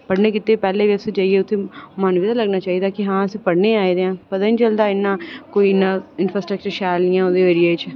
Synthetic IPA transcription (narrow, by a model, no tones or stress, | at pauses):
pəɽneːkɪt̪ːeːpɛːleːʋɪsed͡ʒaːieːʊt̪ʰːeːmənʋɪd̪aːləɡnaːt͡ʃaːɦid̪aːkɪɦãːəsiːpəɽneːaːid̪eːãːpət̪aːnit͡ʃəld̪aːɪnːãːkoːiɪnːãːɪnfɾaːsʈɾək̚t͡ʃəɾʃaːlnɪjãːoːd̪eːʋəɾieːt͡ʃ